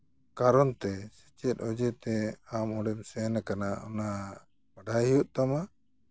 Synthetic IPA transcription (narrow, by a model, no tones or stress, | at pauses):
kaɾɔnt̪ɛsɛ̥t͡ʃɛt̪̚ˀɔd͡ʒɛt̪ɛamɔɽɛmsɛnakanaɔ̰na | baɖʱajɦijuʔt̪ama